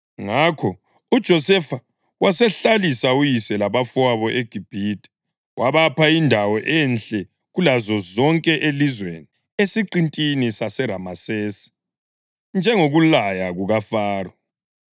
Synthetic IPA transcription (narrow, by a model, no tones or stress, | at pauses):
ŋakʰɔ | ud̥ʒ̥ʱɔsɛfa | wasɛɬalisaujisɛlaβafwaβɔʔeɡ̥ʱib̥ʱitʼɛ̥ | waβapʰaindʱawɔʔɛnɬʼɛ | ɣulazɔzɔŋkʼɛʔelizwḛni | esiǃintʼinisasɛɾa̰maseːsi̥ | nd͡ʒʱɛŋoɣulajaɣuɣafaːrɔ